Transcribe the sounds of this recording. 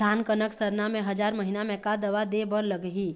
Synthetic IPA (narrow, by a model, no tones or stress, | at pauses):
aːnkənəksəɾnamẽɦɐd͡ʒaːɾməɦinamɛ̃kad̪ɐʋad̪ebəɾləɡɦi